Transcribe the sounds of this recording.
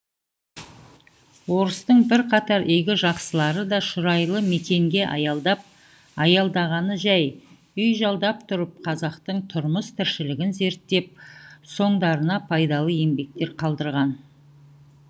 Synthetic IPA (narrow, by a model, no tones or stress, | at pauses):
wo̞ɾəst̪əɴbɪɾqʰɑt̪ɑɾʔeɡʲɪʒɑqsəlˠɑɾəd̪ɑʃʊɾɑjlˠəme̞t̪ʲe̞ŋɡʲe̞ʔɑ̰jɑd̪ɑp̚ | ɑjɑlˠd̪ɑʁɑnəʒæj | ʏjʒɑlˠd̪ɑp̚t̪ʰʊɾəp̚qʰɑzɑqt̪əɴt̪ʰʊɾməst̪ʰɪɾʃɪlɪɡʲɪnze̞ɾt̪ːe̞p̚so̞ɴd̪ɑɾənɑpʰɑjd̪ɑlˠəe̞mbe̞k̚t̪e̞ɾqʰɑlˠd̪əɾʁɑn